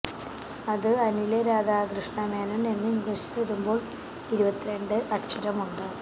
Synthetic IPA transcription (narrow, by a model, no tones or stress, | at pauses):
ɐðɨɐnileɾaːd̪aːɡrɨʂɳɐmaːnɐnenːɨiŋɡriʂi̥pːeðumbo̞ːɭ | iɾubɐt̪ːiɾe̞ɳɖɨʔɐʈʂɐɾɐmuɳɖɨ